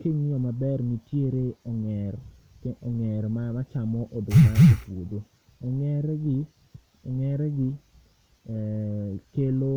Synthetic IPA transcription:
keɲiɔmabɛrnitjeɾeɔŋɛrkeʔɔŋɛɾmamat͡ʃamɔʔodomaopwodo | ɔŋɛɾɛɡi | oŋɛɾɛɡi | kelo

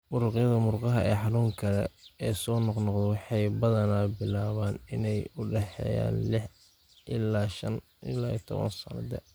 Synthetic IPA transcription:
mʊɾʊqjɐðɐmʊɾqɑɦɐʔɛːħɑnuːŋkʰɐlɛ̰ɛːsɔːnɔqnɔqðɛwɑħɑjbɐðɐnaːbɪlaːβaːnɪnɛjʊɖɛħɛ̰ːja̰ːnlɪħ | ʔɪlaːʃɐ̰n | ʔɪ̰laːḭt̪ʰɔβɐ̰nsɐ̰nɐ̰d̪ɐ̰

